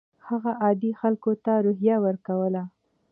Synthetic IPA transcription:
haɣaʔɑd̪ixalkot̪aɾoɦjawəɾkawəla

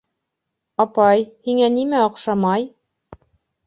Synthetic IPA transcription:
ɑpɑjhiŋænimæŏqʃɑmɑj

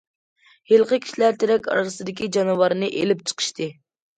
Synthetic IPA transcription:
helˠqəkʲʰi̥ʃlæɾt̪ʰeɾɛkʲɑ̰ɾɾɨsɨd̪ɪkʲid͡ʒɑnɨvɑɾɨnɨʔelɪp̚t͡ʃʰə̥qʰə̥ʃt̪ʰɨ

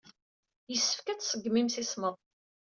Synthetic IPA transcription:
jəsːə̥fkæt͡ssəɡmimsisməðˤ

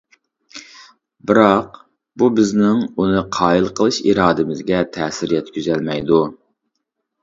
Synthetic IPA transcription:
bɪɾɑq | bubɪznɪŋunɨqʰɑːilˠqʰəlˠɨʃḭɾɑːd̪ɨmɪzɡʲɛt̪ʰɛːsɪɾijɛt̪kʲʰyzɛlmɛjd̪u

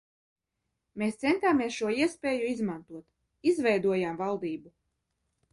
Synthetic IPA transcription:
meːst̪sɛnt̪aːmiɛsʃuɔiɛspʲeːjuizmant̪uɔt̪ | izvʲɛjd̪uɔjaːmvalˠd̪iːbu

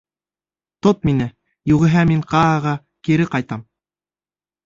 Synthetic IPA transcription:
t̪ot̪̚minɘ | juʁɘ̆ɦæmiŋqɑːʁɑ | kiɾɘqɑjt̪ɑm

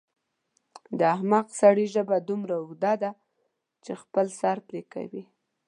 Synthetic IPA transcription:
d̪əahmaqsaɽiʒəbad̪umɾaʊd̪ɑd̪a | t͡ʃexpəlsɑɾp̪leka̰wi

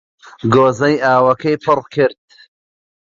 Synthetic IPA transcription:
ɡoːzɐjʔaːwɐkɐjpʰɨrkʰɨɾd̪̚

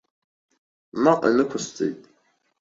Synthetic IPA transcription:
maʔḭnɨkʷʰʊst͡sʼḛjtʼ

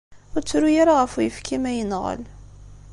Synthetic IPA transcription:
ʊɾt͡sːɾujaɾaʁəfujəfkʰimæjənʁə̰l

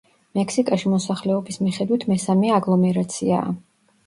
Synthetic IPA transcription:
mɛkʰsikʼaʃimɔsaχlɛɔbismiχɛd̪wit̪ʰmɛsamɛaɡlˠɔmɛɾat̪sʰia̰ː

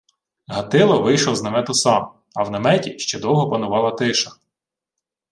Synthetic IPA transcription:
ɦɐt̪ɪlˠɔʋɪjʃlˠɔznɐmɛt̪ʊsɑm | ɐwnɐmɛtʲiʃt͡ʃɛd̪ɔwɦɔpɐnʊʋɑlˠɐt̪ɪʃɐ

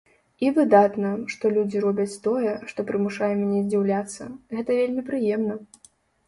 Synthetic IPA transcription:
ivɨd̪at̪nɐʂt̪ɔlʲud͡zʲiɾɔbʲɐt͡sʲt̪ɔjɛʂt̪ɔpɾɨmuʂajɛmʲnʲɛzʲd͡zʲiwlʲat̪sːɐ̰ɣɛt̪ɐvʲelʲmʲipɾɨjɛmnɐ

